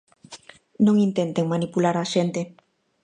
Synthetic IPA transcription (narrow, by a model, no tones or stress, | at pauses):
nõŋint̪ent̪eŋmanipulaɾaʃent̪e